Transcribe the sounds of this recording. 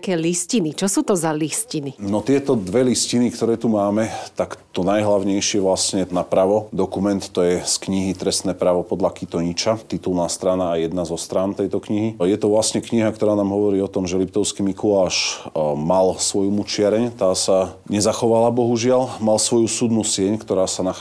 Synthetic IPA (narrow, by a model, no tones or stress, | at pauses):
kɛːliscinit͡ʃɔsuːt̪ɔzaliscininɔt̪ɪɛt̪ɔd̪ʋɛliscinikt̪ɔɾɛːt̪umaːmɛt̪akt̪ɔnajɦlaʊɲɛjʃɪɛʋlasɲɛnapɾaʋɔd̪ɔkumɛnt̪ːɔjɛskɲiɦit̪ɾɛst̪nɛːpɾaʋɔpɔd̪lakit̪ɔɲit͡ʃat̪it̪ulnaːst̪ɾanaːjɛd̪nazɔst̪ɾaːnt̪ɛjt̪ɔkɲiɦijɛt̪ɔʋlasɲɛkɲiɦakt̪ɔɾaːnaːmɦɔʋɔɾiːɔt̪ɔmʒɛlip̚t̪ɔʊskimikulaːʃmalsʋɔjmut͡ʃɪaɾɛɲt̪aːsa | ɲɛzaxɔʋalabɔɦuʒɪalmalsʋɔjusud̪nusɪɛɲkt̪ɔɾaːsana